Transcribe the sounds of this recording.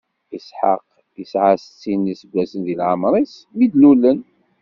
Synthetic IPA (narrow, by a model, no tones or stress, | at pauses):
isħa̰q | əsʕast͡sːinːisəɡːæsənðilʕəmɾˤis | mid̪lulən